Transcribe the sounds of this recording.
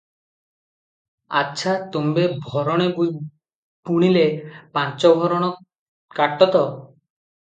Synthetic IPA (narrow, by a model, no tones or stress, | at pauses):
a̰tːʃʰat̪umbebʱɔɾɔɽ̃e | puɽ̃ilepant͡ʃɔbʱɔɾɔɽ̃ɔ | kaʈːɔt̪ɔ